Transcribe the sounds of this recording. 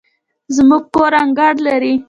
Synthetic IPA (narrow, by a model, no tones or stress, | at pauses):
zmuɡ̚koɾaŋɡaɽlaɾi